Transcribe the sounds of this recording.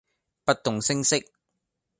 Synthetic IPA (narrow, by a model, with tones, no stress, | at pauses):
pɐ˥t̚t̪ʊ˨ŋsɪ˥ŋsɪ˥k̚